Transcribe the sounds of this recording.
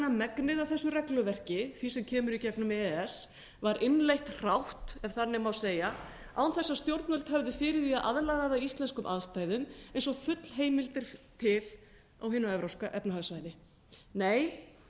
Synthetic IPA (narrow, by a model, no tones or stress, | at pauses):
amɛknɪðawθɛsːʏrɛklʏvɛr̥cɪθvisɛmcʰɛːmʏɾicɛknʏmɛɛs | vaɾʔɪnlejht̪r̥awht̪ɛfθanːɪmawseːja | a̰wnθɛsːast̪jowɾt̪nœlt̪hɛvðɪfɪːɾɪviaðʔa̰ðlaðaðaist̪lɛnskʏmʔa̰ðst̪aːjðʏmejnsɔɣfʏt̪l̥ɦeːjmɪlt̪ɪɾ̥t̪ʰɪl | awɦɪnaɛvɾawskaʔɛpnaɦaɣsvaːjðɪ | neːj